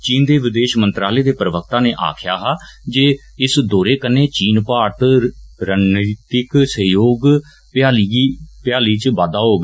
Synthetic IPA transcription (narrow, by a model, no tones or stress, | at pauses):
t͡ʃiːnd̪eːʋɪd̪eːʃmənt̪ɾaːleːd̪eːpɾəʋək̚t̪aːneːʔa̰ːkʰja̰ːɦaːd͡ʒeː | ɪsd̪oːɾeːkənːeːt͡ʃiːnpaːt̪ɾənət̪ɪksəjoːɡ | aːpjaːliːt͡ʃʋaːd̪aːɦoːɡ